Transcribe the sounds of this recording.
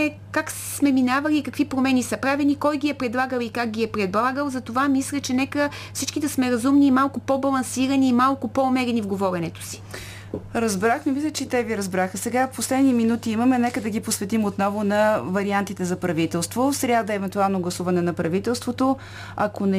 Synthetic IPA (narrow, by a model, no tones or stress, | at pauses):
ɛ | kak | smɛminavɐliːkɐkvipɾomɛnisɐpɾavɛnikɔjɡʲiɛpɾɛd̪lˠaɡəlˠikak̚ɡʲiɛpɾɛd̪lˠaɡəlˠzɐt̪ovamislʲɛt͡ʃɛnɛkəfsit͡ʃkid̪ɐsmɛɾɐzumniːmalˠkʊpɔbɐlˠɐnsiɾɐniːmalˠkʊpɔomɛɾɛnivɡovɔɾʲɛnɛt̪o̥si̥ | ɾɐzbɾaxmɛmislʲət͡ʃɛt̪ɛviɾɐzbɾaxəsɛɡafposlɛd̪niminut̪iimɐmɛnɛkəd̪ɐɡiposvɛt̪imot̪nɔvonɐvɐɾiant̪it̪ɛzɐpɾɐvit̪ɛlˠst̪vosɾʲad̪əɛvɛnt̪ualˠnoɡlˠɐsuvɐnɛnɐpɾɐvit̪ɛlˠst̪vot̪o | ɐkonɛ